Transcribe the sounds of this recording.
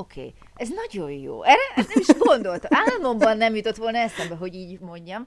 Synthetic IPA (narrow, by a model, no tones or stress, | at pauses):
okʰḛː | ɛznɒɟo̞jjo̰ːʔɛrɛʔnɛmiʃɡo̞nd̪o̞lt̪aːlmo̞mbɒnːɛmjut̪o̞t̪ʋo̞lnɒɛsɛmbɛɦo̞ɟiːɟmo̞ɲɟɒm